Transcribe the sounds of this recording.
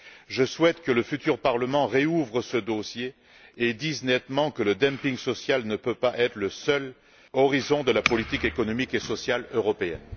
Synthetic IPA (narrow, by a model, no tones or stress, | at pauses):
ʒəswɛt̪kələfyt̪yʁpaʁləmɑ̃ʁeuvʁəsəd̪osjeː | d̪iznɛt̪mɑ̃kələd̪ɛ̃mpiŋsɔsjalnəpøpaʔɛt̪χələsœl | ɔʁizɔ̃d̪əlapɔlit̪ikekɔnɔmikesɔsjaløʁɔpeɛ̰n